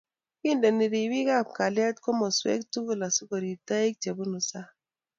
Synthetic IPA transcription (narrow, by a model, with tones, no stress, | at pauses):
ki˦nde˨ni˨ɾi˨bi˦ka˦˨p̚ka˨lja˦tkɔ˦mɔ˨swḛ˦ktu˦ɡu˦la˨su˦ko˨ɾi˨ta˦i˦k̚t͡ʃe˨bu˦nu˨sa˦